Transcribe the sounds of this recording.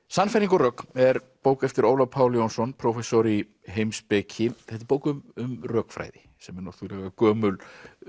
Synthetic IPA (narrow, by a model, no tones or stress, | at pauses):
sanːfajɾiŋkɔrœːkɛɾ | poːwkɛft̪ɪɾowlapʰaːwljownsɔnpʰɾowfɛsɔɾi | ɦejmspɛcʰɪθɛht̪ɪɾpowkʏmʏmrœːkfɾa̰ːjðɪ | sɛmɛɾnowθulɛɣakœːmʏl